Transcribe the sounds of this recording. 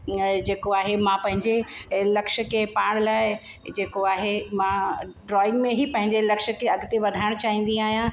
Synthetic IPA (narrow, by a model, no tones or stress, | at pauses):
d͡ʑeːkoaːɦemãpɐ̃ɦɪ̃ɲd͡ʑelɐkʃə̆kʰepaːɽ̃laːɪ | d͡ʑeːkoaːɦemãɖɾɔːɪ̃ŋɡmẽɦipɐ̃ɦɪ̃ɲd͡ʑelɐkʃə̆kʰeɐɡt̪eʋɐd̪ʱaːɪɽ̃t͡ɕaːɦĩːn̆d̪ĩaːɦijã